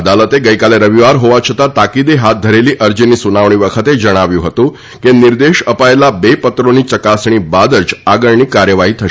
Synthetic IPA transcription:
əd̪alət̪eɡəjkaleɾəʋiʋaɾɦoʋat͡ʃʰət̪at̪akid̪eɦat̪̚d̪ʱəɾeliːʔəɾd͡ʑiniːsunaʋɳ̃iːʋəkʰət̪ed͡ʒəɽ̃aʋjũɦət̪ũ | keniɾd̪eʃəpajlabepət̪ɾoniːt͡ʃəkasɳ̃iːbad̪ət͡saɡəɭɳiːkaɾjəʋaɦiːt̪ʰə

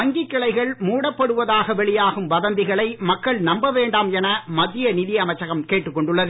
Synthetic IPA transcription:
ɐŋɡɪkːɐɭɐɪɣɐɭmuːɽɐpːɐɽɯʋɐðaːɣɐʋɛɭɪjaːɣɯmʋɐðɐnd̪ɪɣɐɭɐɪmɐkːɐɭnɐmbɐʋeːɳɖaːmɛnɐmɐðːɪjɐnɪðɪjɐɐmɐt͡ʃːɐɣɐmkeːʈːɯkːɔɳɖɯɭːɐðɯ

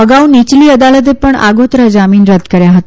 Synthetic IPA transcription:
əɡaunit͡ɕliːəd̪alət̪̬epəɳa̰ɡot̪ɾəd͡zamiːnɾəd̪kəɾjaɦot̪

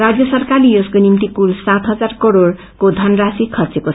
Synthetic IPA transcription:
rad͡zjʌsʌrkalijozkonimt̪ikulsat̪ɦʌd͡zarkʌɾoɽ | kod̪ʱʌnrasikʰʌrt͡seko

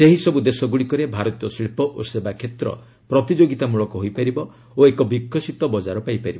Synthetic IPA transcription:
seɦisɔbud̪esɔɡuɽikɔɾebʱaɾɔt̪ijɔsɾipɔʔosebakʰet̪ɾɔ̰ | pɾɔt̪id͡ʒoɡit̪amuɭɔkɔɦojpaɾibɔ | oekɔbikʰːɔsit̪ɔbɔd͡ʒaɾɔpajpaɾibɔ

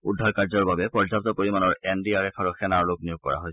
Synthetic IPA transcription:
udʱːaɹkaɹzɔɹbabɛpɔɹzap̚t̪ɔpoɹimanɔɹɛndiaɹɛkʰaɹuxɛnaɹloknijʊɡ̚kɔ̰ɹa̰ɦoj

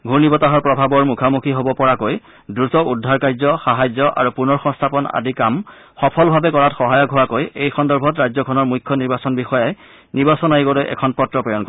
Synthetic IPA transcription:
ɡʱuɹnibɔtaɦɔɹpɹɔbʱabɔɹmukʰamukʰiɦobɔpɔɹakoj | dɹutɔudʱaɹkajzɔxaɦajzɔʔa̰ɹupunɔɹxɔ̃ŋstʰapɔna̰dikam | xɔpʰɔlbʱabɛkɔɹatxɔɦajɔɡʱuakojejxɔndɔɹbʱɔtɹajzɔkʰɔnɔɹmujkʰːjɔniɹbasɔnbixɔjaj | niɹbasɔnajiɡɔlojʔɛ̰kʰɔnpɔtːɹɔpɔjɔnkɔ

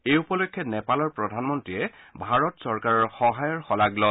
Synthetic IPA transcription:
ejupɔlokʰːjɔnɛpalɔɹpɹɔdʱanmɔntɹiɛ | bʱaɹɔtsɔɹkaɹɔɹxɔɦajɔɹxɔlaɡlɔ

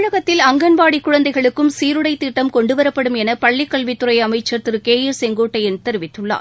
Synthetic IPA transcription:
ɻɐɣɐt̪ːɪlɐŋɡɐnʋaːɽikːʊɻɐnd̪ɐɪɣɐɭɯkːɯmsiːɾɯɽɐɪt̪ːiʈːɐmkɔɳɖɯʋɐɾɐpːɐɽɯmɛnɐpɐɭːɪkːɐɭʋɪt̪ːɯɾɐjɐmɐɪt͡ʃːɐɾt̪ɯɾɯkeːjɪɾsɛŋɡoːʈːɐjɪnt̪ɛɾɯʋɪt̪ːɯɭːa̰ː

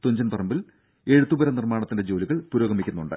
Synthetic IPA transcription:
t̪oɲd͡ʑɐnpɐrɐmbil | e̞ɻut̪ːubɐɾɐnirmaːɳɐt̪ːinde̞d͡ʑo̞ːliɣɐɭpuɾo̞ːɡɐmikʲːunːuɳɖɨ̰

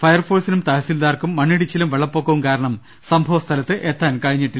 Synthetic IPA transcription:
fɐjɐrfoːsinumt̪ɐːɐsild̪aːrkumːɐɳːiɽit͡ɕːilumʋeɭɐpːo̞ːkːɐʋumkaːɾɐɳɐm | sɐmbʱɐʋɐst̪ʰɐlɐt̪ːɨʔet̪ːaːnkɐɻiɲːiʈːi

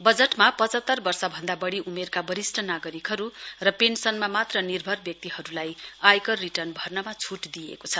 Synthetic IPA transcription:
bʌd͡zeʈmapʌt͡sʌt̪ːʌrbʌrsʌbʱʌnd̪abʌɽiʔumerkabʌɾisʈʰʌnaɡʌɾikɦʌɾurʌpensʌnmamat̪rʌnirbʱʌrbjʌk̚t̪iɦʌɾulajajkʌriʈʌrnbʱʌrnʌmat͡sʰuʈd̪iḛkot͡sʰʌ

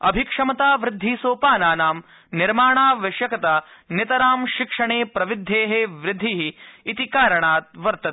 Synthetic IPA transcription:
ɐbʱikʂɐmɐt̪aːʋɾɪd̪ʱːiːsoːpaːnaːnaːm | niɾmaːɳaːʋɐʃjɐkɐt̪anjɐt̪ɐɾaːmʃikʂɐɳeːpɾɐʋid̪ʱːeːɦeʋɾɪd̪ʱːiɦiːt̪ikaːɾɐɳaːt̪̚ʋɐɾt̪ɐt̪

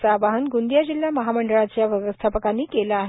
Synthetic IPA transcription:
t͡saʋaɦənɡund̪jad͡ʑilːjaməɦaməɳɖəɭat͡ɕjaʋjəʋəst̪ʰapəkanːiːkelaːɦ

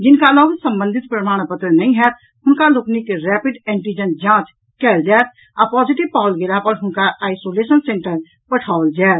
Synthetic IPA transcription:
d͡ʒɪnkaloɡsəmbə̃nd̪ʱit̪̚pɾəmaɽ̃pət̪ɾənəĩɦɛt̪ | hʊnkaloknikeɾɛpiɖɛ̃ɳʈid͡ʒənd͡ʒãt͡ʃ | kɛld͡ʒaɛt̪ | apɔd͡ʒiʈibpaʊlɡelapəɾɦʊnkaaɪsolesənsẽɳʈəɾ | pəʈʰaold͡ʒaɛt̪

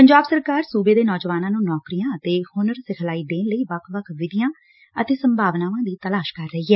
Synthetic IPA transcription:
pəɲd͡ʒaːbsəɾkaːɾsuːbeːd̪eːnɔːd͡ʒʋaːnãːnũːnɔːkɾijãːət̪eːhʊnəɾsɪkʰəlaːiːd̪eːnləiːʋəkʰʋəkʰʋɪd̪ɪjãː | ət̪eːsəmbʱaːʋnaːʋãːd̪iːt̪əlaːʃkəɾːəɦiːɦɛː

